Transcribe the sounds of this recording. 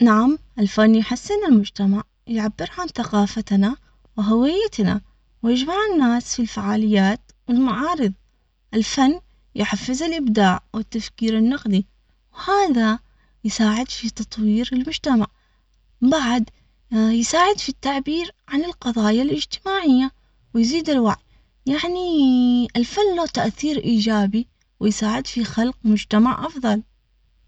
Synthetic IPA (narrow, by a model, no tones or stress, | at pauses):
naʕamʔɪlfanːjħasːɪnɪlmʊd͡ʒt̪amaʕ | jʕabːɪɾʕanθaqɑːfat̪na | wɪɦawɪjːat̪na̰ | wjɪd͡ʒmaʕɪnːaːsfilfaʕaːlɪjːaːt̪ | wɪlmaʕɑːɾɨðˤ | ʔɪlfanː | jħafːɪzɪlʔɪbd̪aːʕwɪt̪ːafkiːɾɪnːɑqd̪i | whaːða | jsaːʕɪd̪fit̪ɑt̪ˤwiːɾɪlmʊd͡ʒt̪amaʕ | baʕd̪ | jsaːʕɪd̪fit̪ːaʕbiːɾʕanɪlqɑðˤɑːjalʔɪd͡ʒt̪ɪmaːʕɪjːa | wɪjziːd̪ɪlwaʕj | jaʕniɪlfanːloːt̪aʔθiːɾʔiːd͡ʒaːbi | wɪjsaːʕɪd̪fixalqmʊd͡ʒt̪amaʕʔɑfðˤɑl